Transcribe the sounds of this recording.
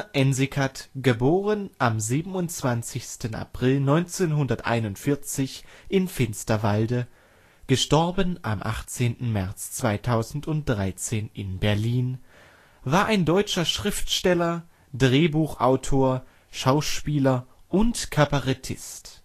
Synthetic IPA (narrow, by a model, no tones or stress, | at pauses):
ʔɛnzikʰatɡ̥əboːʁənʔamziːbm̩ʊnt͡sv̥ant͡sɪçstəna̰pʁ̥ɪlnɔʏnt͡seːnɦʊndɐtʔa̰ɪnʊntfɪɐt͡sɪçʔɪnfɪnstɐvaldə | ɡ̥əʃtɔɐbənʔa̰mʔa̰χt͡seːntn̩mɛɐt͡st͡sv̥aɪtʰaʊzn̩tʊnt̚d̥ʁaɪt͡seːnʔɪnbɛɐliːn | vaːɐʔaɪndɔʏt͡ʃɐʃʁ̥ɪftʃtɛlɐ | dʁeːbuːxʔa̰ʊtʰoːɐ | ʃaʊʃpiːlɐ | ʔʊntkʰabaʁɛtʰɪ̰st